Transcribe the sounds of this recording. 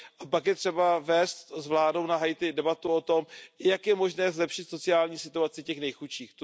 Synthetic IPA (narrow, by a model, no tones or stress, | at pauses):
ʔapakjɛt̪r̝̥ɛbavɛːst̪zvlaːdownaɦajt̪ɪdɛbat̪uo̞t̪o̞mjakjɛmo̞ʒnɛːzlɛpʃɪt̪so̞t͡sɪaːlɲiːsɪt̪uat͡sɪcɛxnɛjxut͡ʃiːx